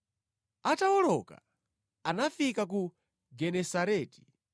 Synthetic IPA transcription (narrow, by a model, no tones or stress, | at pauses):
atawɔlɔka̰ | anafikak̬u | ɡɛnɛsaɾɛːti̥